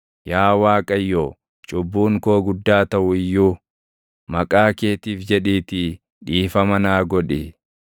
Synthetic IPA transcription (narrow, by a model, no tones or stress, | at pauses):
jaːwaːkʼɐjːoː | t͡ʃʼʊbːuːŋkoːɡʊd̪ːaːt̪ɐʔʊɪjːuː | mɐkʼaːkeːt̪iːfd͡ʒɛᶑiːt̪ɪ | ᶑiːfɐmɐnaːɡɔᶑɛ